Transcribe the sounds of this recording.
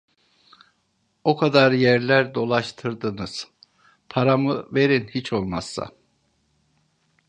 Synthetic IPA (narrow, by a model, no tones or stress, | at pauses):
okʰad̪aɾjæɾlʲæɾd̪o̞lˠaʃt̪ʰɯɾd̪ɯnɯz̥ | pʰaɾamɯve̞ɾinhit͡ʃʰo̞lˠmasːa̰